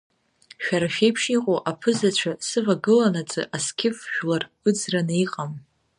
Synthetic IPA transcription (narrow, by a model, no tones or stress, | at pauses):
ʃᶣaɾaʃᶣejpʰʂiqʼoʔapʰɨzat͡ɕʷʰasɨvaɡɨlanat͡sʼɨ̰ʔaskʲʰɪfʒᶣlar | ɨd͡zranaiqʼam